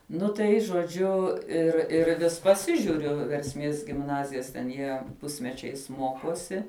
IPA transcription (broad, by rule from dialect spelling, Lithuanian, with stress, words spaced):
ˈnʊ tɐɪ ʒoːˈd͡ʒʲʊ ˈɪr ɪr ˈʋʲɪs pɐˈsʲɪʒʲʊrʲʊ ʋʲɛrʲsʲˈmʲeːs ɡʲɪmˈnɑːzʲɪjɛs tʲɛn ˈjiɛ ˈpʊsʲmʲɛt͡ʃʲɛɪs ˈmoːkoːsʲɪ